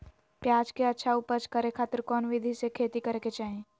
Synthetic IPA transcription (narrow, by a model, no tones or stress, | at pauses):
pjaːd͡ʒkeɐtːʃʰaʊpət͡ʃkəɾekʰaːt̪əɾkɔːnʋɪd̪ʱisekʰeːt̪ikɐɾeket͡ʃaːɦẽː